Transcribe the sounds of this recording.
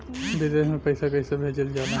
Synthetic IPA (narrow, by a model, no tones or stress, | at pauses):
bɪd̪eːʃmẽpɐɪsakɐɪsabʱeːd͡ʒəld͡ʒaːna